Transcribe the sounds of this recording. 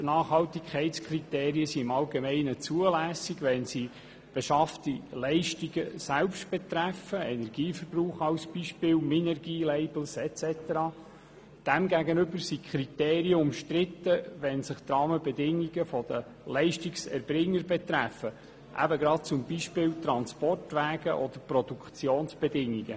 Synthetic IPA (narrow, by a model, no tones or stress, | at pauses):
nɑːχhɑltikʰɛɪtskʰrit̪eːɾiəsiɪmɑlɡemɛɪnət͡suəlæːsiɡʋɛnsi | b̥ɛʃɑftilɛɪʃtiɡəsælpʃtb̥ɛt̪ræfəɛnɛrɡiːfəɾbruːχɑwsb̥iʃpɪːlminɛrɡiːlɛɪbl̩sɛt͡sɛt̪əɾɑː | d̥æmɡæɡənʏbəɾsikʰɾit̪eːɾiəʊmʃt̪ɾɪt̪əʋɛnsɪχt̪ɾɑːməbɛd̪ɪŋːiɡəfɔd̪ə | lɛɪʃtiksɛ̰ɾbrɪŋːəɾbɛt̪ɾæfə | ʔæ̰bəɡɾɑt̚t͡sʊmbiʃpɪːwt̪ɾɑnspɔrtʋæːɡəʔɔd̥̪əɾprɔd̥̪ukt͡sjoːnsb̥ɛdɪŋːiɡ̥ə